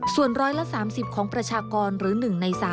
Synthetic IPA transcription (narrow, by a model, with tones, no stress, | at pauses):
su˨˩ənɾɔː˦˥jla˦˥saː˩˦msi˨˩p̚kʰɔː˩˦ŋpɾa˧t͡ɕʰaː˧kɔː˧nɾɯː˩˦nɯ˨˩ŋna˧jsaː˩˦